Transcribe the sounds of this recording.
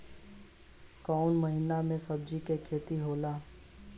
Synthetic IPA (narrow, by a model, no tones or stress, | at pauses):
kɔːnməɦiːnamẽsəb̚d͡ʒikekʰeːt̪iɦoːlaː